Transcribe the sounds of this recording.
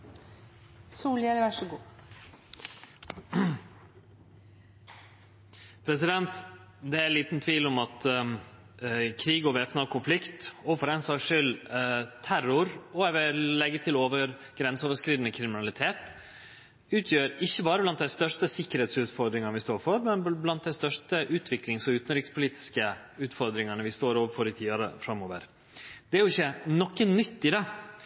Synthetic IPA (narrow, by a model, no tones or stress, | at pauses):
suːlɛlʋæʂəɡuː | pʰɾɛsɪd̪ɛnt̪ | d̪ɛæliːt̪nt̪ʰʋiːlɔmɑt̪ | kʰɾiːɡɔʋɛfnɑkʰʊnflɪkt̪ɔfɔɾɛɪnsɑːkʂɪlt̪ʰæɾʊɾɔæʋɪllːɛɡːət̪ʰɪloːʋəɾ | ɡ̥ɾɛnsoːʋəʂkɾiːd̪ənəkʰɾɪmɪnɑlɪt̪ʰeːt̪ | ʉːt̪ʰjøːɾɪçːəbɑːɾəblɑnt̪d̪æɪst̪œʂʈəsɪkːəɾheːt̪sʉːt̪fɔɾd̪ɾɪŋɑnʋɪst̪oːɾfɔɾmɛnblɑnt̪̚d̪æɪst̪œʂʈəʔʉːt̪ʰʋɪklɪŋsɔʉːt̪ənɾɪkspʰʊliːt̪ʰɪ̥skə | ʉːt̪fɔɾd̪ɾɪŋɑnəʋɪst̪oːɾoːʋəfɔɾɪt̪ʰiːɑɾə̰fɾɑmːoːʋə̰ɾ | d̪ɛæɾjʊɪçːənɔkːənnʏt̪ːɪd̪ɛ